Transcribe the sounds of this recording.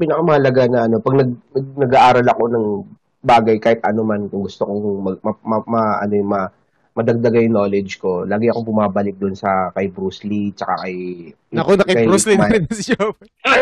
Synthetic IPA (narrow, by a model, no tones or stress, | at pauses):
piːnɐkamɐhɐlɐɡanɐʔɐno̞pɐɡ̚nɐɡ̚ɐnɐɡaʔaːɾɐlɐko̞nɐŋ | baːɡɐjkaːhɪt̪̚ʔɐno̞mankʊŋɡʊst̪okoŋmɐɡmɐmɐmɐʔɐ̰no̞mɐ | mɐd̪ɐɡ̚d̪ɐɡajʊŋno̞ːlɛd͡ʒko̞laːɡɪʔɐko̞bʊmaːbɐlɪk̚d̪ʊnsɐkɐjbɾuːslit͡ʃɐka̰kɐj | ɐkonɐkɐjɾuslinɾɪnɐsɪjop